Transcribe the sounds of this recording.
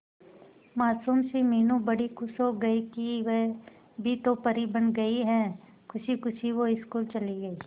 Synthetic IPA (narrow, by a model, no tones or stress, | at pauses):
maːsuːmsemeːnũbɐɽikʰʊsoɡɐikiʋɛ | bʱit̪opɐɾibɐ̃nɡɐiɦɛ̃ː | kʰʊʃikʊʃʰiʋoɪskuːlt͡ʃɐliɡɐiː